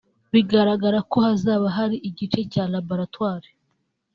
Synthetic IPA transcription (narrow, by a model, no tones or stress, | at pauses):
βiɡaɾaɡaɾako̞hazaːβaɦaɾiʔiɟit͡ʃe̞calaboɾatwaːɾe̥